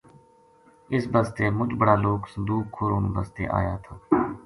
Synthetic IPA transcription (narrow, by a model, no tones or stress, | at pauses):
ɪsbəst̪eːmʊt͡ʃbəɽaːloːksəd̪uːkʰːoːɾoːnbə̰st̪ḛːʔa̰ːjaːt̪ʰaː